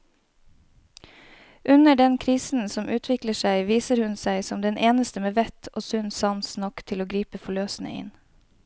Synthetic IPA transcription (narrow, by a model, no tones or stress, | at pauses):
ʔʉnəɖɛnkʰɾiːsn̩sɔmʔʉːt̪ʰʋɪkləʃæɪʋiːsəɾhʉnsæɪsɔmd̪ɛnʔeːnəst̪əmeːʋɛt̪ʰo̰ːsʉnsɑmsnɔkt̪ʰɪloːɡɾiːpəfɔɭøːsn̩ə̰ɪ̰n